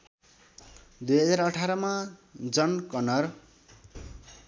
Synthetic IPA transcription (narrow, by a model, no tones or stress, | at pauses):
d̪ujɦʌd͡zaɾʌʈʰaɾʌmad͡zʌnkʌnʌr